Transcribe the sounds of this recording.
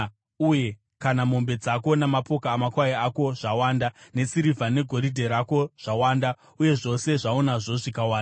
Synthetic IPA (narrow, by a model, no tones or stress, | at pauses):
uje̞ | kanamo̞mbe̞d͡zako̞namapo̞kaːmakwaiako̞ʐ̥awaːndane̞siɾivʱane̞ɡʱo̞ɾidʱe̞ɾako̞ʐ̥awaːnda | uje̞ʐo̞se̞ʐaonaʐo̞ʐikawaːnda